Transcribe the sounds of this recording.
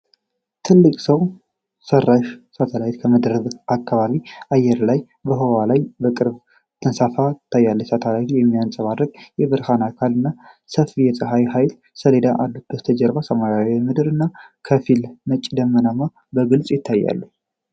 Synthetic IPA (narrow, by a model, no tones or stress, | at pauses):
t̪ʰɨlːɨkʼsəw | sərːaʃsat̪ʰalajt̪kʰəməd̪ɾəβakːaβaβiʔajːɛɾlaj | bəɦowalajbəkʼɨɾb | t̪ʰɨnsafat̪ʰːajːalːəjsat̪ʰalajt̪ʰujɛmːijansʼəβaɾəkʼjɛβɨɾhanakʰalɨnːa | səfijɛsʼɨɦajɦajl | səled̪aʔalːubət̪ʰəd͡ʒɛɾbasəmaɾjawmɨd̪ɨɾɨnːakʰəfilnət͡ʃʼːd̪əmːənama | bəɡɨlsʼjɪt̪ʰːajːa̰lːu